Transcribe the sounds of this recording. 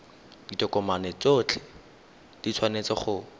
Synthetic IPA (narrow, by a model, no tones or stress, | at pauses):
d̥itʼɔkɔmanɛt͡sot͡ɬʰɛ̥ | d̥it͡sʰwanet͡sɔχʊ